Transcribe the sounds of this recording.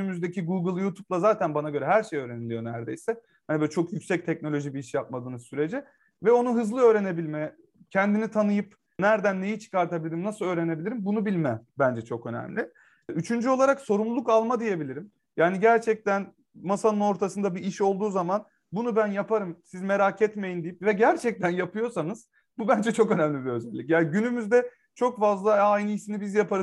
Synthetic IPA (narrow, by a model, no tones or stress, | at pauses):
ymyzd̪ecʰiɡuɡɯlˠjut̪ʰup̚lˠazaːt̪ʰænbanaɟø̞ɾɛɦæɾʃejø̞ːɾenilʲijo̞næɾd̪ejsɛ | hanibʲt͡ʃʰo̞kjycʲsɛc̚t̪ʰɛc̚no̞lʲo̞ʒibiiʃjap̚mad̪ɯːnɯzsyɾe̞d͡ʒɛ | vɛo̞nuɦɯzlˠɯø̞ːɾe̞ne̞bilʲmɛ | cʰɛnd̪init̪ʰanɯjɯp | næɾd̪ænːe̞jit͡ʃʰɯ̥kaɾt̪ʰabilʲiɾimnasɯlˠø̞ːɾe̞ne̞bilʲiɾimbunubilʲmɛbænd͡ʒɛt͡ʃʰo̞kø̞næ̰mlʲɪ | yt͡ʃʰynd͡ʒyo̞lˠaɾakso̞ɾumlˠlˠukalˠmad̪ije̞bilʲiɾim | jaːniɟæɾt͡ʃʰɛc̚t̪æn | masanɯno̞ɾt̪ʰasɯnd̪abiiʃo̞lˠd̪uːzaman | bunubænjapʰaɾɯmsizme̞ɾacʰɛt̪me̞jind̪ijip̚vɛɟæɾt͡ʃʰɛc̚t̪ʰænjapʰɯjo̞sanɯz̥ | bubænd͡ʒɛt͡ʃʰo̞kø̞næmlʲibiø̞zɛlʲːicjaːnɟynymyzd̪ɛ | t͡ʃʰo̞kfazlˠaajnɯiʃinibizjapʰaɾɯ